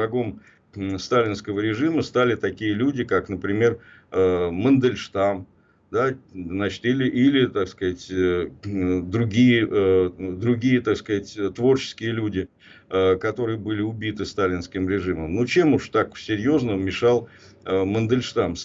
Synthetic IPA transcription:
ɐɡo̞m | st̪alʲɪnskəvəɾʲɪʐɨməst̪alʲɪt̪ɐkʲijəlʲudʲɪkaknəpɾʲɪmʲe̞r | əmənd̪əlʲʂt̪am | d̪aznat͡ɕɪ̥t̪ilʲɪʔilʲɪt̪akskɐzatʲ | d̪ɾʊɡʲijəʔd̪ɾʊɡʲijət̪akskɐzatʲt̪vo̞rt͡ɕɪ̥skʲɪjəlʲudʲɪ | əkɐt̪o̞ɾɨjəbɨlʲɪʊbʲit̪ɨst̪alʲɪnskʲɪmɾʲɪʐɨməmnot͡ɕe̞mʊʂt̪aksʲɪɾʲjo̞znəmʲɪʂɑlˠ | əmənd̪əlʲʂt̪ams

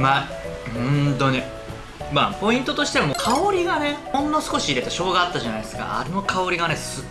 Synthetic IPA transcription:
ma | hõnt̪o̞ɲ̟i | mapo̞ĩnt̪o̞t̪o̞ɕi̥t̪emokʰaoɾʲiɡane̞hõ̞nːosɨ̥ko̞ɕiːɾe̞t̪aɕo̞ːɡaːt̪ːaʑanaid̪esɨ̥ka̰a̰ɾeno̞kʰao̞ɾʲiɡane̞sɨ

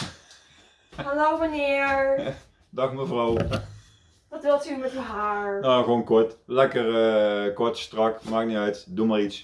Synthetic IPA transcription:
halowʋɑnɪːɹ | dɑxməvrɔw | ʋɑtʋɪlˠtymɛtəɦaːɹnaːɣʋoːnkɔɹtlɛkərəkɔtstrɑkmaːk̚niœɥtdumaːrits

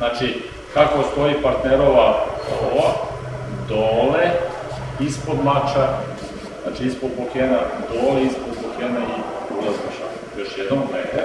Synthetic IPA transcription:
znaːt͡ʃi | kakost̪oipaɾt̪neɾoʋaoʋa | d̪ole | ispod̪mat͡ʃa | zna̰ːt͡ʃiispod̪̚pokeːnad̪oːleispod̪̚pokʰeːnai | ulazmaʃa̰ | jo̞ʃjed̪nomvɾeːne

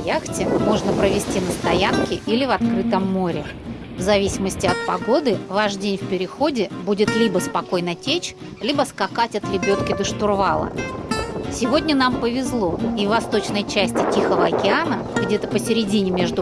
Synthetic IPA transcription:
jaxtʲɪmo̞ʐnəpɾəvʲɪsʲtʲinəst̪ɐjankʲɪʔilʲɪvɐt̪kɾɨt̪əmːoɾʲɪ | vzɐvʲisʲɪməsʲtʲɪɐt̪̚pɐɡo̞d̪ɨvaʂdʲenʲfpʲɪɾʲɪxo̞dʲɪbudʲɪt̪lʲibəspɐko̞jnətʲet͡ɕ | lʲibəskakatʲɐt̪ɾʲɪbʲo̞t̪kʲɪd̪əʂt̪ʊrvalˠə̰ | sʲɪvo̞dʲnʲənampəvʲɪzlˠo̞ivːɐst̪o̞t͡ɕnəjt͡ɕæsʲtʲɪtʲixəvəɐkʲɪanə | ɡdʲe̞t̪əpəsʲɪɾʲɪdʲinʲɪmʲe̞ʐd̪ʊ

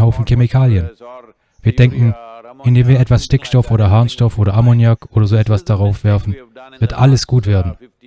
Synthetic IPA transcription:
haʊfn̩kʰemɪkʰaːljən | v̥iːɐdɛŋkŋ̩ʔɪndeːmviːɐɛtv̥asʃtɪkʃtɔfʔoːɾɐɦaɐnʃtɔfʔoːɾɐʔamonjakʰʔoːɾɐzoːɛtv̥asd̥aʁaʊfv̥ɛɐfn̩v̥ɪɐtʔa̰ləsɡ̥uːtv̥eːɐdn̩

